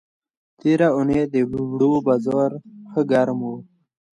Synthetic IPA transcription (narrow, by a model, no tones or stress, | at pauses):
t̪eɾauned̪ebubɽobazɔːɾxəɡaɾmo